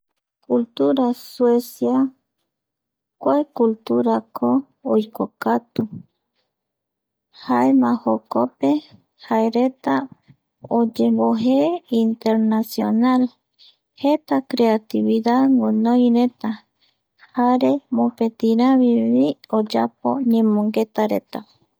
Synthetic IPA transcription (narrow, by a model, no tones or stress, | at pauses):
kult̪uɾaswesja | kʷaekult̪uɾakʰoː | jkokat̪u | haemãhokope | haeɾet̪a | od͡ʒemboɦeint̪eɾnasjonal | het̪akɾeat̪iβiðaŋõnõjɾet̪a | haɾe̞mopet̪iɾãβiβiod͡ʒap̚o̰ɲẽmõŋɡet̪aɾet̪a